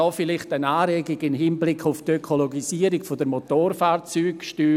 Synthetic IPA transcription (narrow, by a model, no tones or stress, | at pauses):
ɔːfɪlɪχtənaːɾɛːɡɪɡɪnɦinblɪkʰʊftøkʰoloɡisiːəɾiɡfodəɾmotoːɾfaːɾt͡syːkʃtyː